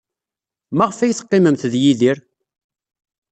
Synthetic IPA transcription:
mæʁəfæjθə̥qːiməmθðjiðiɾ

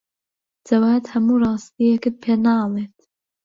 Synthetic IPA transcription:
d͡zɐwaːt̪hɐmurˤɑːst̪iekɨt̪̚pʰenalˠeːt̪

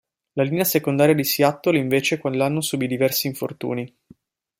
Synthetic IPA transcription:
lalineasekond̪aːɾjad̪isiat̪ːoliɱveːt͡ʃekwanlːanːosubid̪ivɛrsiːɱfo̰rt̪ṵːni

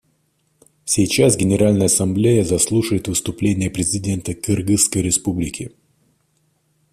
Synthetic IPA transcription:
sʲɪjt͡ɕasɡʲɪnʲɪɾalʲnəjəɐsɐmblʲejəzɐslˠuʂəjɪt̪vɨst̪ʊplʲenʲɪjəpɾʲɪzʲɪdʲe̞nt̪əkɨrɡɨskəjɾʲɪspublʲɪkʲɪ

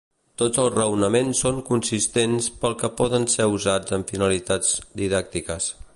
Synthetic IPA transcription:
t̪od͡zəlˠzrəwnəmensːoŋkunsist̪enspəlˠkəpɔðənseuzad͡zəɱfinəlit̪ad͡zd̪iðak̚t̪ikəs

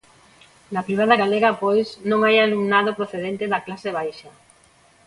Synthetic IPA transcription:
nɐpɾiβ̞aðɐɣaleɣɐpojsnõŋajalumnaðopɾoθeðent̪ɪðɐklaseβ̞ajʃɐ

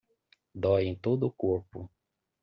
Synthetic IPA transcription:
d̪ɔjẽj̃t̪od̪ʊːkoɾpʊ

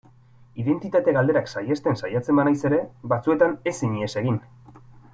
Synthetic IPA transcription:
iðe̞nt̪it̪at̪eɣald̪e̞ɾaksajest̪e̞nsajat͡se̞mbanajse̞ɾe̞βat͡sue̞t̪ane̞siɲiese̞ɣ̞in

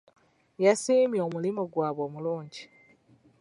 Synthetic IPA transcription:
jasiːmjoːmulimoɡwaːβoːmuluːɲɟi

